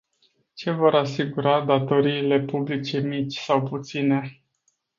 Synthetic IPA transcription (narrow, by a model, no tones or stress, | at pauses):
t͡ʃe̞vo̞ɾasiɡuɾad̪at̪o̞ɾiːle̞publit͡ʃe̞mit͡ʃʲsawput̪sine̞